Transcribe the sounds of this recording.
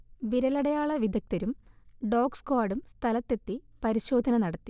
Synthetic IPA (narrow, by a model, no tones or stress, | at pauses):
ʋiɾɐlɐɽɐjaːɭɐʋid̪ʱɐk̚t̪ɐɾumɖoːkskaːɽumst̪ʰɐlɐt̪ːe̞t̪ːipɐɾiɕo̞ːd̪ʱɐnɐnɐɽɐt̪ːi